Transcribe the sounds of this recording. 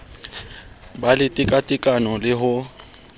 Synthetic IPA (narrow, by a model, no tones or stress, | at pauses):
balɪtʼɪkʼatʼɪkʼanɔlɪɦʊ